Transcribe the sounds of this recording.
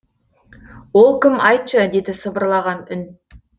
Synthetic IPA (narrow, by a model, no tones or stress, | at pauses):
wo̞lˠkʲʰɪmɑjt̪ʃəd̪e̞d̪ɪsəbəɾlˠɑʁɑnʏn